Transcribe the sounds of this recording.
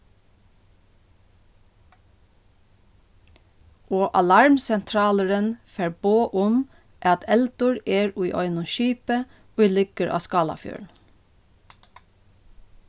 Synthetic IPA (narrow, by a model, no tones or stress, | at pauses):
ʔoːʔɑlɑɹmsɛnt̪ʰɹɑːləɹənfæːɹboːʔʊm | ʔæːɑt̪ʰɛld̪ʊɹeːɹuːʔɔʏnʊʃiːpə | ʉilʏɡəɹʔɑ̰ːskɑːlɑ̰fjø̰ːɳ